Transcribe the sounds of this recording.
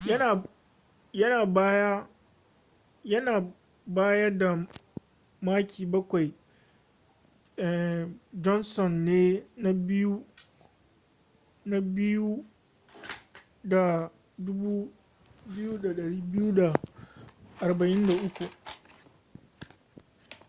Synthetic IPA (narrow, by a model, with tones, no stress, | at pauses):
a˨ | jɐ˦naː˨bja˦ | jɐ˦naː˨ | baː˦jɐ˦da˨ | maː˦kʲʰiː˨bɐ˦kʷa˨j | ʔɛ˨d͡ʒɔ˦nsɔ˨nːeː˦na˦bɪ˦ju˦ | na˦bɪ˦ju˦ | da˨ | dʊ˦buː˦ | bɪ˦ju˦da˨ɗɐ˨ɽiː˦bɪ˦ju˦da˨ | ʔa˨rbɐ˨ʔɪ˦nda˨ʔʊ˦kʷu˨ʔ